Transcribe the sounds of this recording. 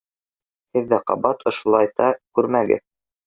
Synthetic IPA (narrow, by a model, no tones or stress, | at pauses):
hɘ̆ðːæqɑ̰bɑt̪ŏʃŭlˠɑjt̪ɑkʉɾmæɡɘ̰ð